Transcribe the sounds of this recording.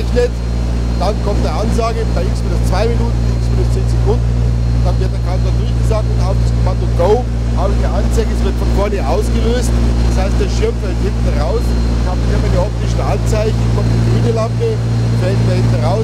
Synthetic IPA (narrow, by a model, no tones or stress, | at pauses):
ɛçnət | d̥ankʰɔmt̚d̥eːɐʔanzaːɡəb̥aɪʔɪksfɪdʊst͡sv̥aɪminuːtn̩ʔɪkspɪnʊst͡seːnzekʰʊndn̩ | d̥anvɪɐt̚d̥eɐkʰatladʊɐçɡ̥əzaːk̚tʊntaʊxd̥askʰɔmandobʁoʊ | haːbnəʔant͡saɪɡəɛsv̥ɪɐtfɔnfɔɐnəʔaʊsɡ̥əløːstd̥ashaɪst̚d̥eːɐʃɪɐmfɛlthɪntn̩ʁaʊs | khaːbmɪmaɪnəʔɔp̚tɪʃn̩ʔant͡saɪçn̩kʰɔmtdiːneːdəlampə | vɛddaɐhɪnt̩ʁaʊ